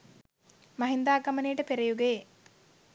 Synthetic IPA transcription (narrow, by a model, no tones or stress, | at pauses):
maɦind̪aːɡɐmənejʈəpeɾejuɡe